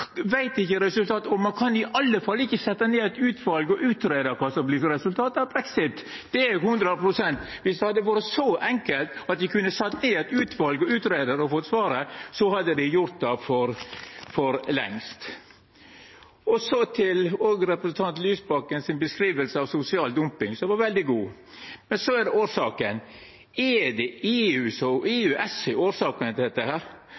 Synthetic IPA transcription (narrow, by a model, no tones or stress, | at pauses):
ʋæɪt̪ɪçːəɾɛsʉlt̪ʰɑːt̪ɔmɑnkʰɑnɪʔɑlːəfɑlːɪçːəsɛt̪ːɑneːɛt̪ʉːt̪ʰʋɑlɡɔʔʉːt̪ɾeːd̪ɑkʰɑːsɑmbliːsɾɛsʉlt̪ʰɑːt̪ɑʋbɾɛksɪt̪ | d̪̥ɛæɾhʉnd̪ɾəpɾʊsɛnt̪ʋɪsd̪ɛhɑd̪ːəʋuːɾəsɔʔɛŋkəlt̪ɑt̪ʋɪkʰʉnːəsɛt̪ːneːɛt̪ʉːt̪ʰʋɑlɡɔʉːt̪ɾeːd̪əɾɔfɔt̪ːsʋɑːɾəsɔhɑd̪ːəd̪ɪjʊɾt̪̚d̪ɑfɔɾfɔɾlɛ̰ŋst̪ | ɔsɔt̪ʰɪloːɡɾɛpɾəsn̩t̪ʰɑnt̪lyːsbɑkːənsɪnbəskɾiːʋəlsəɑʋsʊsɪɑːld̪ʊmpɪŋsɔmʋɑɾʋɛld̪ɪɡuː | mɛnsɔæɖɛoːɾʂɑːkən | ɛd̪ɛeːʉːsɔeːʉːʔɛsɛoːɾsɑːkənt̪d̪ɛt̪ːəhæːɾ